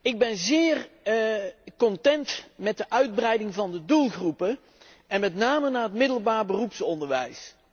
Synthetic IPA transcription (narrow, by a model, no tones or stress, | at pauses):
ɪɡ̚bɛnzɪːr | kɔntɛntmɛt̚dəʔœɥd̚brɛjdɪŋvɑndədulˠɣrupə | ʔɛnmɛtnaːmənaːətmɪdəlˠbaːɹbərupsɔndəɹʋɛjs